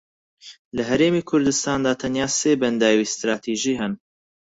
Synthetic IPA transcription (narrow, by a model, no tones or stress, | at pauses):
lɐɦɐɾeːmiːkʰʊɾd̪ɨst̪aːnd̪aːt̪ʰɐnjaːseːbɐnd̪aːwiːst̪ɾaːt̪ʰiʒiːɦɛn